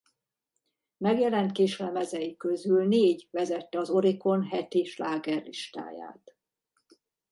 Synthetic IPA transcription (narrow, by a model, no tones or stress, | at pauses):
mɛɡjɛlɛnt̪keːʃlɛmɛzɛjikø̞zylneːɟvɛzɛt̪ːɛɒzo̞ɾiko̞nɦɛt̪iʃlaːɡɛrliʃt̪a̰ːja̰ːt̪